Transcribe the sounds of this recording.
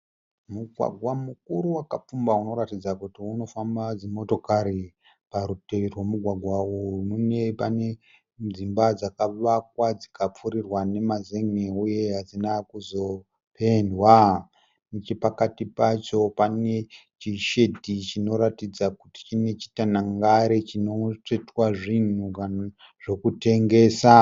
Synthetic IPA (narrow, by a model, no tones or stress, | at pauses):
muɡʱwa̰ɡʱwamuk̚uɾuwakap͡fumbauno̞ɾatid͡zakutiuno̞fambad͡zemo̞to̞kaɾi | paɾute̞ʋerwemuɡʱwaɡʱwaumune̞pane̞ | d͡zimbad͡zakaʋak̚wad͡zikap͡fuɾirwane̞mazeŋeuje̞ɦad͡zinakuzo̞ | pʰe̞ndwa | mut͡ʃepakatipat͡ʃo̞pane̞t͡ʃiʃe̞dʱit͡ʃino̞ɾatid͡zakuti̥t͡ʃine̞t͡ʃi̥tanaŋɡaɾet͡ʃino̞t͡ʂetwaʐin̤uka | ʐ̥o̞kute̞ŋɡe̞ːsa